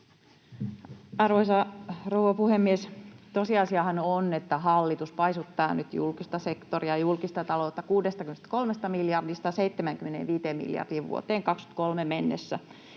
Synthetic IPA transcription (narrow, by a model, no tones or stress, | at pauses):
ɑrʋoisɑrouʋɑpuhemːiest̪osiɑsiɑhɑnonet̪ːæɦɑlːit̪uspɑisut̪ːɑːnyt̪jṵlkist̪ɑsekt̪oriɑjulkist̪ɑt̪ɑloːt̪ːɑkuːdest̪ɑkymenest̪ko̞lmest̪ɑmiljɑrdist̪ɑseit̪ːemæŋkymːenḛʋʋiːt̪eːmmḭljɑ̰rd̥iːʋʋṵo̰t̪eːŋkɑksky̥t̪̚kolmemenːḛsːæ